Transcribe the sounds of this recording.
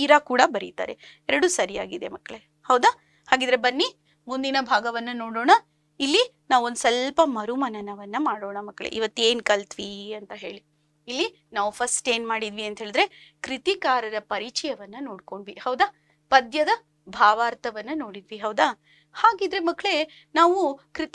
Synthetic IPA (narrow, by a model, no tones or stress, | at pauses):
iɾakuːɽɐbɐɾit̪a̰ːɾe̞̰ | ɛɾɐɽusɐɾijaːɡid̪e̞mɐkːɭe̞ | hɐʋd̪a | haːɡiːd̪ɾe̞bɐnːi | mund̪inɐbʱaːɡɐʋɐnːɐnoːɽoːɳɐ | ilːi | naːʋuond̪usɐlpɐmɐɾumɐnɐnɐʋɐnːɐmaːɽoːɳɐmɐkːɭḛʔḭʋɐt̪ːe̞ːnkɐlt̪ʋiɐnt̪ɐɦe̞ːɭi | ilːi | naːʋupʰɐsʈeːnmaːɽid̪ʋiɐnt̪ɦeːɭid̪ɾe̞kɾit̪ikaːɾɐɾɐpɐɾit͡ʃɐjɐʋɐnːɐno̞ːɽko̞ɳɖʋihɐwd̪a | pɐd̪jɐd̪ɐ | bʱaːʋaːɾt̪ʰɐʋɐnːɐno̞ːɽid̪ʋiɦɐwd̪a | haːɡid̪ɾe̞mɐkːɭe̞ | naːʋukɾit̪